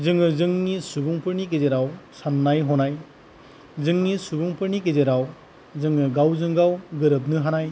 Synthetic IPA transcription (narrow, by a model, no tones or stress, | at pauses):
zɯŋɯzɯŋnisubuŋpʰɯɾnik̬ezeɾawsanːajɦɔnaj | zɯŋnisubuŋpʰɯɾnik̬ezeɾaw | zɯŋɯɡawzɯŋɡawɡɯɾɯp̚nɯɦanaj